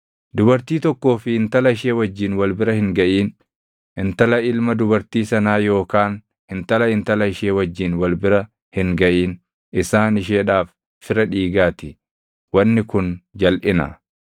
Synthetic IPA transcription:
d̪ʊbɐɾt̪iːt̪ɔkːo̞ːfɪɪnt̪ɐlɐɪʃeːwɐd͡ʒːiːnwɐlbɪɾɐhɪŋɡɐʔiːn | ɪnt̪ɐlɐɪlmɐd̪ʊbɐɾt̪iːsɐnaːjo̞ːkaːn | hɪnt̪ɐlɐɪnt̪ɐlɐɪʃeːwɐd͡ʒːiːnwɐlbɪɾɐ | hɪŋɡɐʔiːn | ɪsaːnɪʃ̬eːᶑaːf | fɪɾɐᶑiːɡaːt̪ɪ | wɐnːɪkʊnd͡ʒɐlʔɪnɐ̰

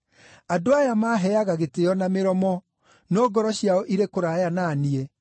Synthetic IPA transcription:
adoajamaɦɛaɣaɣeteɔnameɾɔmɔ | nɔːɡɔɾɔɕiaɔʔiɾekoɾajananie

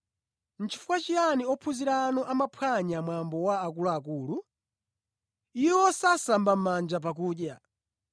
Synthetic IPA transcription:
n̩t͡ʃi̥fukwat͡ʃijaniɔpʰuziɾanɔʔamapʰwaɲamwambɔwaːk̬ulaak̬ulu | iwwɔsasambam̩mand͡ʒap̬ak̬uːɗja

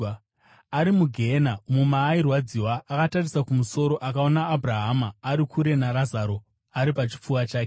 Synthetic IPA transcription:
aɾimuɡʱenamumaːirwad͡ziwaːkatarisakumuso̞ɾo̞ʔakaonaːbʱraɦamaːɾikʰuɾe̞naɾazaɾo̞ | aɾipat͡ʃi̥p͡fuwat͡ʃaːke

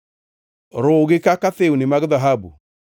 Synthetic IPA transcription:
ɾoɣekakaθeunemaɡðaɦabṵ

